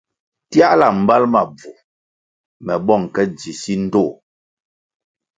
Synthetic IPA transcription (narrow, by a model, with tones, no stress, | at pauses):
tja˦ʔla˨m̩˨ba˦lma˨b͡vu˨ | mɛ˨ɓɔ˦˨ŋ˨kɛ˦d͡zi˨si˦n̩˦to˦˨